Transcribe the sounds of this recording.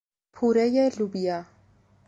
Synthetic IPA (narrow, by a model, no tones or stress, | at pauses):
pʰuɾɛjɛɮubia